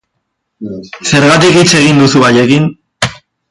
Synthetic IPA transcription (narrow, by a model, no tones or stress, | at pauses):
se̞ɾɣat̪ikit͡se̞ɣ̞ind̪usuaje̞kin